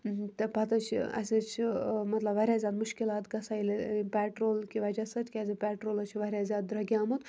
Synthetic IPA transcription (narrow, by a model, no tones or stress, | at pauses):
t̪ɐpɐt̪ɐt͡ʃʰɐ̰sʲɐt͡ʃʰmɐt̪lɐbʋɐɾʲjaːzʲaːd̪muʃkilaːt̪ɡɐsaːilepʲɛːʈɾoːlkiʋɐd͡ʒɐsɐt̪ʲkʲaːzʲipʲɛːʈɾoːlɐt͡ʃʰiʋɐɾʲjaːzʲaːd̪̚d̪ɾɐɡʲjaːmut̪